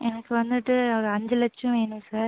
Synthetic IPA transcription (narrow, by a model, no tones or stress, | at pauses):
ɛnɐkːɯʋɐnd̪ɯʈːɯɔɾɐɲd͡ʒɐlɐt͡ʃːʊ̃ʋeːnɯ̃saːɾ